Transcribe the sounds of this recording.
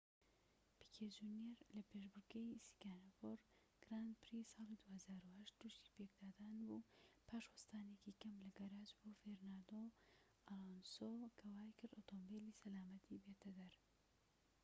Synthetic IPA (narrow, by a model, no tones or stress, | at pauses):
b̥ikʰed͡ʒuneɾlɐpeʃbʊɾɡejsi̥ɡaːnafoɾ | ɡ̥ɾaːnd̪̚pʰɨɾisɑːlid̪uːhɐzaːɾuhɐʃt̪̚d̪̥uʃt̪i̥pek̚d̪aːd̪aːnbupʰaːʃwɐst̪aːnekikɐmlɐɡɐɾaːd͡ʒboːfeɾnad̪o | alonsokʰɐwaːjkɨɾd̪ot̪ʰombelisɐlaːmɐt̪ʰibet̪ʰɐd̪ɐɾ